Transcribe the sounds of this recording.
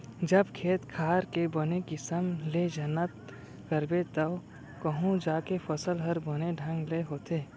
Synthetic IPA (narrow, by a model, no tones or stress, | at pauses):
d͡ʒəbkʰeːt̪kʰaːɾkebɐnekɪsəmled͡ʒənət̪̚ | kəɾbet̪ɐ | kəɦũd͡ʒaːkepʰɐsəlɦəɾbəneɖʱɐ̃ŋɡleɦoːt̪eː